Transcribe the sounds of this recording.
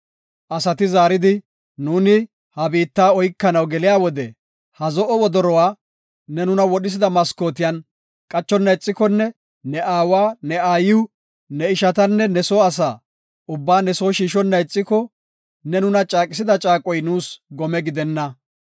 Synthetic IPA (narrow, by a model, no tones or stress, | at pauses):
ʔɐsɐt̪ɪzaːɾɪd̪ɪ | nuːnɪ | hɐbiːt̪ːaːɔjkːɐnɐwɡɛlɪjaːwɔd̪ɛ | hɐzɔʔɔwɔd̪ɔɾɔwaː | nɛnʊnɐwɔɗɪs̬ɪd̪ɐmɐsko̞ːt̪ɪjɐn | kʼɐt͡ʃːɔnːɐjt͡sʼːɪkɔnːɛ | nɛʔaːwaːnɛaːjɪwʊ | nɛɪʃɐt̪ɐnːɛnɛso̞ːɐs̬aː | ʊbːaːnɛso̞ːʃiːʃɔnːɐjt͡sʼːɪkɔ | nɛnʊnɐt͡ʃʼaːkʼɪs̬ɪd̪ɐt͡ʃʼaːkʼɔjnuːsɡɔmɛɡɪd̪ɛnːɐ